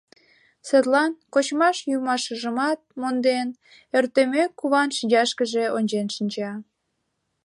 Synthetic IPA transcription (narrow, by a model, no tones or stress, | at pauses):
set̪lɑnkot͡ɕmɑʃjumɑʃəʒəmɑt̪̚mond̪en | ørt̪emekːuβɑnʃinʲd͡ʑɑʃkəʒeonʲt͡ɕenʃənʲt͡ɕɑ